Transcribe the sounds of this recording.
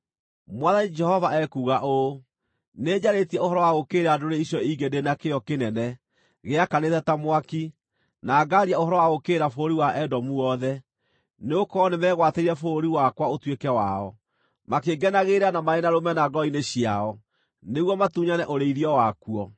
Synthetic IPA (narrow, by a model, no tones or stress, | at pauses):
mwaðanid͡ʒɛhɔvaɛkuɣaʔo | neːd͡ʑaɾetiɛohɔɾɔwaɣokeɾeadoɾeiɕɔiɡendenakeɔkenɛnɛ | ɣeakanetɛtamwaki | naːɡaɾiaohɔɾɔwaɣokeːɾafoɾiwaʔɛdɔmuɔðɛ | neokɔnemɛɣwateiɾɛfoɾiwakwaotwekɛwaɔ | makeɡɛnaɣeɾanamaenaɾomɛnaɡɔineɕiaɔ | neɣwɔmatuɲanɛʔoɾeiɾiɔwakuɔ